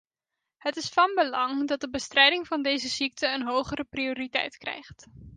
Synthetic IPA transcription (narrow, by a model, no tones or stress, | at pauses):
ɦətɪsfɑnbəlɑŋdɑt̚dəbəstrɛjdɪŋvɑndejzəz̥ik̚tʰəːnɦowχərəprioːritɛ̰jtkrɛ̰jχt